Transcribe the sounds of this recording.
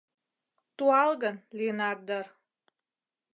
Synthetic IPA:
t̪uɑlɡənlʲinak̚d̪ər

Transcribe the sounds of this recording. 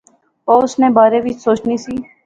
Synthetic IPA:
oːʊsnẽːbaːɾeːʋɪt͡ʃsoːt͡ʃniːsiː

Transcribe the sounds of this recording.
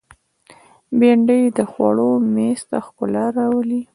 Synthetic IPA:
beɳɖəjd̪əxwa̰ɽomest̪axkʊlaɾawəli

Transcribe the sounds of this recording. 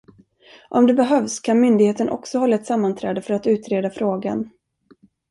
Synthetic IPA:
ʔɔmd̪ɛbɛɦœvskʰanmʏnd̪ɪɡheːt̪ənʔɔ̰ksɔhɔlːaɛt̪samːant̪ʰɾɛːd̪əfœɾat̪ʉ̟ːt̪ɾeːd̪afɾoːɡa̰n

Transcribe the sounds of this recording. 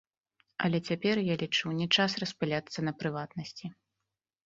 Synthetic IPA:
ɐ̰lʲɛt͡sʲapʲɛrjalʲit͡ʂɨwnʲɛt͡ʂasrɐspɨlʲat̪sːɐnɐpɾɨvat̪nɐsʲt͡sʲi

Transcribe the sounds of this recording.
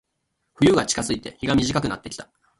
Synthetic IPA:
ɸɯ̟jɯ̟ɡat͡ɕi̥kazɨit̪e̞̰çiɡamʲiʑikakɯ̟na̰t̪ːe̞kʲi̥t̪ḁ

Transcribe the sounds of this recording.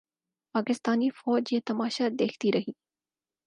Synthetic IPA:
paːkɪst̪aːnifɔːd͡ʒet̪ɐmaːʃad̪eːkʰt̪iɾɐɦiː

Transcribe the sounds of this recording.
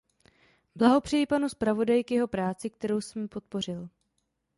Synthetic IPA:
blaɦo̞pr̝̥ɛjɪpanuspɾavo̞dajɪkjɛɦo̞pɾaːt͡sɪkt̪ɛɾo̞wsɛmpo̞t̪̚po̞r̝ɪl

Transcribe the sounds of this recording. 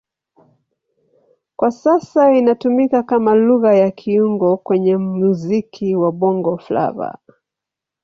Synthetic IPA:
kwasasainatumikakamaluɣajakʰiuŋɡɔkwɛɲɛmuzikʰiwaɓɔŋɡɔfla̰va̰

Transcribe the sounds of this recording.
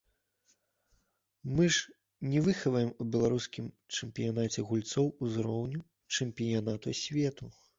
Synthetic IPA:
mɨʐ | nʲɛvɨxɐvɐjɛmubʲɛlˠaɾuskʲim | t͡ʂɛmʲpʲijanat͡sʲɛɣulʲt̪sɔwuzɾɔwnʲu | t͡ʂɛmʲpʲijanat̪usʲvʲɛt̪u

